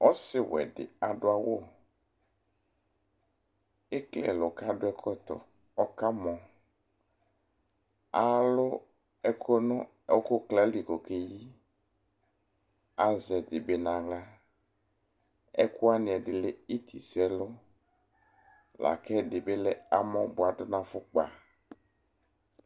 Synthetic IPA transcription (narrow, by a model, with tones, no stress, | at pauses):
ɔ˦sɪ˨wɛ̰˨dɪ̰˨a˨dʊ˦a˨wo˦˨ | ɪ˦klɛ̰˨lʊ˨ka˦dʊ˦ɛ˦kʰɔ˦t̪ɔ̰˨ | ɔ˦ka˦mɔ̃˨ | a˨lʊ˦ | ɛ˦kʰɔ˦nʊ˦ | ɛ˦kʊ˦klɛ˦li˨ko˨ke˨ji˦ | a˨zɛ˨d̪ɪ˨be˨nã˨ɡla˦ | ɛ̰˦kʊ˦a˦nɪ̃˨ɛ˨dɪ˨lɪ˦i˦t̪ʰi˨sɛ˦lʊ˦ | la̰˨kɛ˦dɪ˨be˦lɛ˦a˨mɔ̃˦bʊ˨a˨dʊ˦nã˦fʊ˦k͡pa̰˨